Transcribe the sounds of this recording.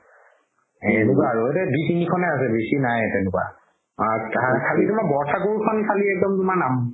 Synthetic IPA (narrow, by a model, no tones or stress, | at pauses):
ɛnɛkwaaɹuetɛbitinikʰɔnɛas̬ɛbesinajtɛnʊkwa̰ | aakʰalitumabɔɹtʰakoɹukʰɔnkʰaliɛk̚dɔmtumaɹnam